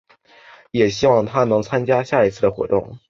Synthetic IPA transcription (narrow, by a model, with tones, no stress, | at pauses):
jɛ˨˩ɕi˥wɑ˥˩ŋt̪ʰa˥nɤ˧˥ŋt͡sʰa˥nt͡ɕja˥ɕja˥˩i˧˥t͡sʰɹ̩˥˩d̪ə˩xwɔ̰˧˥t̪ʊ˥˩ŋ